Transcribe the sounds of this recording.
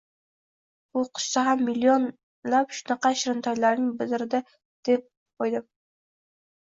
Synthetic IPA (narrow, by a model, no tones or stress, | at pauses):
bʊqʰɨ̥ʃsaɦamːilːion | lapʃʊnɑqɑʃɾɪnt̪ʰaɾlaɾnɪŋbɪzɪɾɪd̪a | d̪̥ep̚ | ojd̪ɪm